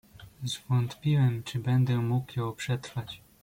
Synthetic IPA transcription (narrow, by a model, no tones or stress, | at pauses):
zvɔnt̪pʲiwɛmt͡ʂɘbɛnd̪ɛmukjɔpʂɛt̪ɾfat͡ɕ